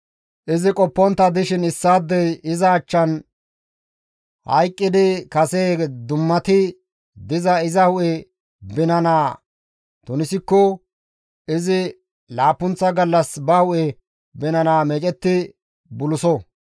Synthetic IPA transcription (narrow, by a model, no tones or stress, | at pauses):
ʔɪzɪkʼɔpːɔnt̪ːɐd̪ɪʃɪnɪsːaːd̪ːɛjɪzɐːt͡ʃːɐn | hɐ̰jkʼːɪd̪ɪkɐseːd̪ʊmːɐt̪ɪ | d̪ɪzɐɪzɐhʊʔɛ | bɪnɐnaː | t̪ʊnɪsɪkːɔ | ɪzɪ | laːpːʊnt͡sːɐɡɐlːɐsbɐhʊʔɛ | bɪnɐnaːmɛt͡ʃʼɛt̪ːɪ | bʊlʊsɔ